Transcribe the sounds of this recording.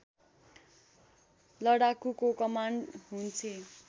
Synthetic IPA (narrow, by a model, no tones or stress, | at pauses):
lʌɽakukokʌmaɳɖɦunt͡sʰi